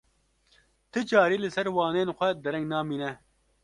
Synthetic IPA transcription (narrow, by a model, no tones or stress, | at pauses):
t̪ʰɨt͡ʃɑːɾiːlɨsɛɾwɑːneːnxʷɛd̪ɛɾɛŋɡnɑːmiːnɛ